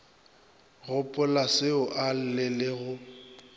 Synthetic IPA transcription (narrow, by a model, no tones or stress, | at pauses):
ɣʊpʼʊlasɪʊʔal̩lɪlɪɣʊ